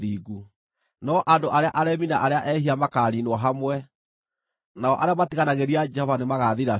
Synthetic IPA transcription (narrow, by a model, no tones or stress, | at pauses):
iːɣu | nɔʔandoʔaɾeaʔaɾɛminaʔaɾeaʔɛhiamakaɾinwɔɦamwɛ | naɔʔaɾeamatiɣanaɣeɾiad͡ʒɛhɔvanemaɣaðiɾa